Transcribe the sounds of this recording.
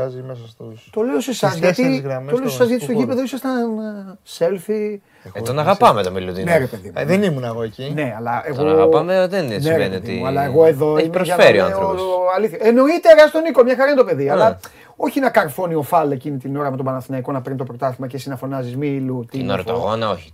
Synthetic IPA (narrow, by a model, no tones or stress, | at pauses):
zimesɐst̪ut̪o̞leosesɐzʝɐt̪imt̪ole̞osesɐzʝɐt̪sst̪oʝipeðoisɐst̪ɐnse̞lθi | t̪onɐɣɐpɐmet̪omeluðḭneɾepe̞ðimuðenimunɐɣoecine̞ɐlɐeɣoɣapameðensneɾveniot̪ḭuɐlɐeɣo̞eðo̞imɾoʝɐfeɾio̰a̰nθɾooɐliθɐeno̞it̪eɾɐsit̪o̞niko̞mɲɐxɐɾɐinet̪ope̞ðiɐlɐ | o̞çinɐkɐɾfo̞nio̞fɐle̞cinit̪ino̞ɾɐmet̪obɐnɐθinɐiko̞nɐpeɾnit̪opɾo̞t̪ɐθimɐcesinɐfo̞nɐzizmilut̪ino̰ɾo̰ɣonɐo̰çi̥